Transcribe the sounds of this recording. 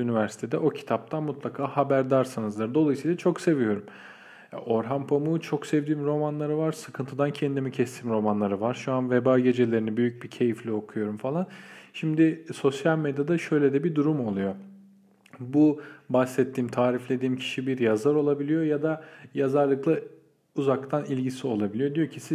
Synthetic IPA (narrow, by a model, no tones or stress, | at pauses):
ynivæɾsi̥t̪ʰe̞d̪ɛʔo̞cʰi̥t̪ʰap̚t̪ʰanmut̪lˠakʰaːhabæɾd̪aɾsɯnɯzd̪ɯɾd̪o̞lˠajɯsiːlˠat͡ʃʰo̞kse̞vijo̞ɾum̰ | ʔo̞ɾɦampʰomut͡ʃʰo̞ksɛvd̪iːmɾo̞manlˠaɾɯvaɾsɯ̥kʰɯnt̪ʰɯd̪ancʰɛnd̪imicʰɛst̪ʰimɾo̞manlˠaɾɯvaɾʃuanvebaːɟe̞d͡ʒelʲe̞ɾinibyjyc̚bicʰe̞jiflʲio̞kʰujo̞ɾumfalˠanʃimd̪ɪso̞sjalʲmed̪jad̪aʃø̞jlʲed̪ɛbid̪uɾumo̞lˠujo̞ | bubasɛt̪ʰːiːmt̪ʰaːɾiflʲe̞d̪iːmcʰi̥ʃibiɾjazaɾo̞lˠabilʲijo̞jad̪ajazaɾlˠɯklˠa | uzak̚t̪ʰanilʲɟisio̞lˠabilʲijo̞d̪ijo̞cʰisi